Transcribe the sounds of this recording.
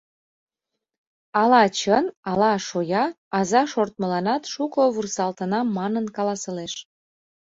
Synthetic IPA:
ɑlɑt͡ɕənɑlɑʃojɑ | ɑzɑʃort̪məlɑnɑt̪ʃukoβursɑlt̪ənɑmːɑnənkɑlɑsəleʃ

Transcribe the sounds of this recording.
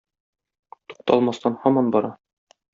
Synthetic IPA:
t̪u̥q̚t̪ɑlˠmɑst̪ɑnhɒmɑnbɒɾɑ

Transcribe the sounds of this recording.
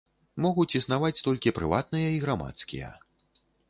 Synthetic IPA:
mɔɣut͡sʲisnavat͡sʲt̪ɔlʲkʲipɾɨ̰vat̪nɨjɐiɣɾama̰t̪skʲḭjɐ̰

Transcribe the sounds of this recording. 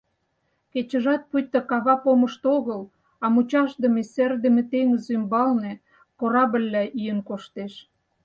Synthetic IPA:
ket͡ɕə̆ʒɑt̪̚pujt̪ːəkɑβɑpoməʃt̪oɣəl | ɑmut͡ɕɑʃd̪ə̆meserd̪ə̆mĕt̪eŋəzymbɑlnĕ | koɾɑbə̆lʲːæʔijənkoʃt̪eʃ

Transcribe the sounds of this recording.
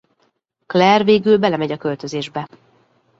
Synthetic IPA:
klɛrveːɡylbɛlɛmɛɟɒkø̞lt̪ø̞zeːʒbɛ

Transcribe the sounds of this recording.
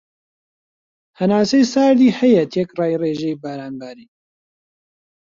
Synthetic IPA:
hɐnaːsejsaːɾd̪iːhɛjɛt̪jɛkrɑːjreːʒɛjbaːɾaːnɡaːɾiː

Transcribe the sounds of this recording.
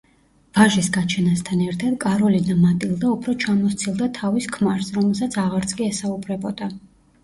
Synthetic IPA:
v̥aʒisɡat͡ʃʰɛnast̪ʰanɛɾt̪ʰad̪kʼaɾɔlinamat̪ʼilˠd̪aupʰɾɔt͡ʃʰamɔst̪sʰilˠd̪at̪ʰaviskʰmaɾsɾɔmɛlˠsat̪sʰaʁaɾt̪sʼkʼiɛsaubɾɛbɔd̪a

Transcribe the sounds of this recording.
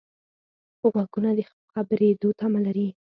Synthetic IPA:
ɣwaɡunad̪ə | xabɾed̪ot̪amalaɾi

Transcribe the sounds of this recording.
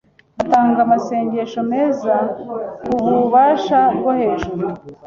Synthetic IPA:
ataːŋɡamase̞ːɲɟeʃo̞meːzaβuβuβaːʃabɡohe̞ːʒuɾu

